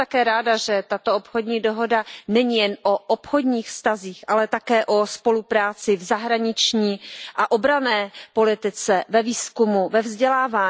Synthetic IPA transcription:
t̪akɛːɾaːdaʒɛt̪at̪oʔopxo̞dɲiːdo̞ɦo̞danɛɲijɛnʔoʔopxo̞dɲiːxfst̪aziːxʔalɛt̪akɛːʔo̞spo̞lupɾaːt͡sɪvzaɦɾaɲɪt͡ʃɲiːʔaʔo̞bɾanɛːpo̞lɪt̪ɪt͡sɛvɛviːskumuvɛvzɟɛlaːvaː

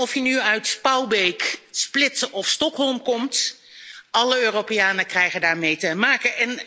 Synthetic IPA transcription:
ɔfjənyœɥtspɑwbejksplɪtɔfstɔkɦɔlˠmkɔmt | ʔɑləøːrowpejaːnəkrɛjχəndaːɹmejtəmaːkəʔɛn

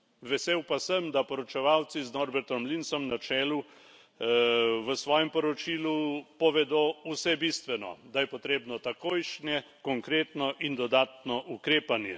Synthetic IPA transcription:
ʋɛseːwpasəmd̪apɔɾɔt͡ʃɛʋaːwt̪siznɔɾbɛɾt̪ɔmlinsɔmnat͡ʃɛːlu | ʋəsʋɔːjɛmpɔɾɔt͡ʃiːlupɔʋɛd̪oːusɛbist̪ʋɛnɔ̰d̪ajɛpɔt̪ɾeːbnɔt̪akoːjʃnɛ | kɔŋkɾeːt̪nɔʔind̪ɔd̪aːt̪nɔʔukɾeːpanjɛ

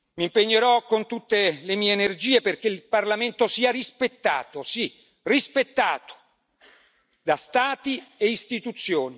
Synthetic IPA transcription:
mimpeɲːeɾɔkont̪ut̪ːelemiːeːnerd͡ʒiːeperk̟eilparlament̪osiːarispet̪ːa̰ːt̪osi | rispet̪ːaːt̪o̥ | d̪ast̪aːt̪ieist̪it̪ut̪sːjoːni

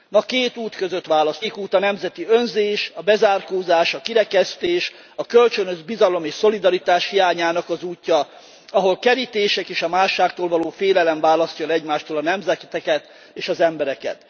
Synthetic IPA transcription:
nɒkeːt̪uːt̪køzøt̪ʋaːlɒskuːt̪ɒnɛmzɛt̪iønzeːʃɒbɛzaːrkoːzaːʃɒkiɾɛkɛst̪eːʃ | ɒkølt͡ʃønøʒbizɒlo̞meːʃso̞lid̪ɒɾit̪aːʃhijaːɲaːnɒkɒzuːcːɒ | ɒɦo̞lkɛɾit̪eːʃɛkeːʃɒmaːʃːaːkt̪oːlvɒloːfeːlɛlɛɱvaːlɒscɒlɛɟmaːʃt̪oːlɒnɛmzɛt̪ɛkɛt̪ | eːʃɒzɛmbɛɾɛkɛ̰t̪

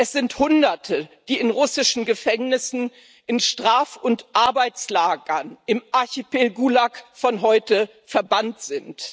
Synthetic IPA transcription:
ʔɛsz̥ɪnthʊndɐtʰəd̥iːɪnʁʊsɪʃn̩ɡəfɛŋnɪsn̩ | ʔɪnʃtʁ̥aːfʊntʔaɐbaɪt͡slaːɡɐnɪmʔaɐçipelɡulakfɔnɦɔʏtə | fɛɐbantz̥ɪnt

